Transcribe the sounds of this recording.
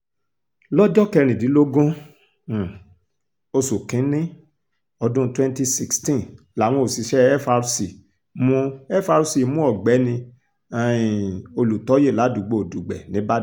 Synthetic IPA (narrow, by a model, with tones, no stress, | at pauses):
lɔ˦d͡ʒɔ˦kɛ˧ɾ̃ĩ˨di˨˦lo˦ɡũ˦˨ | o˧su˨kĩ˨˦nĩ˦ | ɔ˧dũ˦twɛ̃˦nti˧si˧kstĩ˦˨ | la˨w̃ɔ̃˧o˨si˨˧ʃɛ˦ɛ˦fa˧ɾsi˨ | mũ˦ɛ˦fa˧ɾu˧si˨˦mũ˦ɔ˨ɡ͡bɛ˨˦nĩ˧ | a˨ĩ˨o˧lu˨tɔ˨˦je˦˨la˨˦du˨ɡ͡bo˨o˨du˨ɡ͡bɛ˨nĩ˨˦ba˦